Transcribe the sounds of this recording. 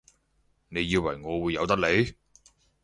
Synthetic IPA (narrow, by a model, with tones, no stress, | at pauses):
ne˨˧jːiː˧wɐ˨˩jŋɔː˨˧wuː˨˧jːɐ˨˧wt̪ɐ˥k̚le˨˥j